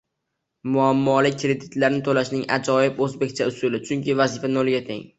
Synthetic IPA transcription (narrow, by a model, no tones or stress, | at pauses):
mʊamːɒlɪkʲːɾe̞d̪ɪt̪laɾɪnɪt̪ʰolaʃnɪŋa̰d͡ʒɒɪpɵzbekʲt͡ʃʰaʊsʊlɪt͡ʃʰʊŋkʲɪvazɪfanolˠɡʲat̪ʰḛŋ